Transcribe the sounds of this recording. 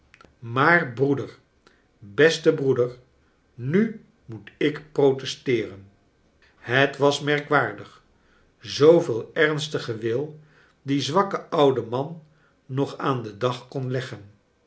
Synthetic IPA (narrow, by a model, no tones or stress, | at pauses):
maːrbrudəɹ | bɛstəbrudəɹ | ny | mutɪkprowtɛstɪːrən | hətʋɑsmɛɹkʋaːɹdəχ | zowvɪːlˠɛrnstəχəʋɪlˠ | dizʋɑkəʌwdəmɑnː | ɔχaːndədɑχkɔnlɛχən